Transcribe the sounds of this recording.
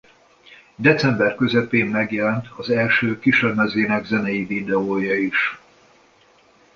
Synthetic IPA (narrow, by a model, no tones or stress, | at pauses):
d̪ɛt̪sɛmbɛrkøzɛpeːmːɛɡjɛlɛnt̪ʰɒzɛlʃøːkiʃørmɛzeːnɛɡzɛnɛjivid̪ɛoːjɒiʃ